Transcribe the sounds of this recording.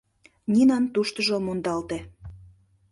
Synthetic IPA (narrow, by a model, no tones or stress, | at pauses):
nʲinɑnt̪uʃt̪əʒomond̪ɑlt̪e